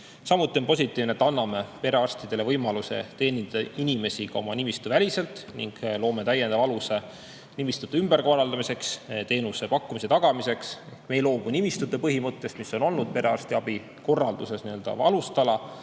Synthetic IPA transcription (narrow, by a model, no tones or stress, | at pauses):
sɑmut̪ːˑio̞npo̞s̬ʲit̪ːˑiːvnet̪ːɑnːɑme̞pe̞ɾe̞ɑrst̪id̪̥e̞le̞vɤjmɑluse̞̰t̪e̞ːnint̪ɑd̪ɑinime̞sikɑo̞̰mɑnimist̪uvælʲise̞lt̪ˑnḭŋɡ̥lo̞ːme̞t̪æjend̪ɑvɑluse̞ | nimist̪ud̪ːeymbe̞rko̞rɑld̪ɑmise̞kst̪e̞ːnuse̞pɑkːˑumise̞t̪ɑɡ̥ɑmise̞ksme̞jlo̞ːmunimist̪ud̪ˑe̞pɤɦimɤt̪ˑːe̞st̪misːo̞no̞lnud̪̥̚pe̞ɾe̞ɑrst̪iɑbi | ko̞rːɑld̪use̞sniøld̪ɑ̰ɑlust̪ɑlɑ